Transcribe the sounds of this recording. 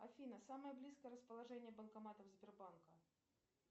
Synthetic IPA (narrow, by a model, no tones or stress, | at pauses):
ɐfʲinəsaməjəblʲiskəjəɾəspəlˠɐʐɛnʲɪjəbənkɐmat̪əvzʲbʲɪrbankə